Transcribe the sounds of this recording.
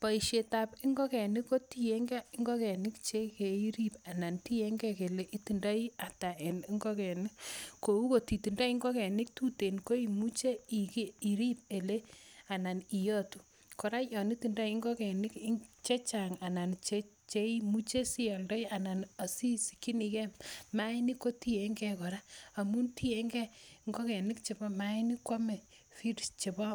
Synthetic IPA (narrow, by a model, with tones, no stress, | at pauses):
pa˨i˨ʃe˨ta˨pi˦ŋɡɔ˦kɛ˨nɪ˦ko˦ti˦˨je˦ŋɡa˦i˦ŋɡɔ˦kɛ˨nɪ˦kt͡ʃe˦ke˨i˦ɾi˦pa˨na˨nti˦je˦ŋɡɛ˦ke˨le˦ʔi˦ti˨nda˦i˦a˨ta˨ʔe˨ni˦ŋɡɔ˦kɛ˨ni˦ko˨u˦ko˨ti˨tu˨nda˦i˦ŋɡɔ˦kɛ˨nɪ˦k̚tu˦te˨nko˦i˨mu˦t͡ʃe˦i˨ki˦i˨ɾi˦p̚e˨le˦a˨na˨ni˨jɔ˦tu˨ | kɔ˨ɾa˦jɔ˨ni˦ti˨nda˦i˦ŋɡɔ˦kɛ˨nɪ˦ki˦t͡ʃe˦t͡ʃa˨ŋa˨na˨nt͡ʃe | t͡ʃe˦i˦mu˦t͡ʃe˦si˦ɔ˨ldɔ˦ja˨na˨na˨si˦si˨ki˦ni˨kɛ˦mma˦ɪ˦ni˦ko˦ti˦e˦ŋɡɛ˦kɔ˨ɾa˦a˨mu˦nti˦e˦ŋɡɛ˦ŋɡɔ˦kɛ˨nɪ˦kt͡ʃe˨bɔ˦ma˨˦i˦ni˦kwa˦mɛ˨ | fi˦ɾist͡ʃe˨bɔ˦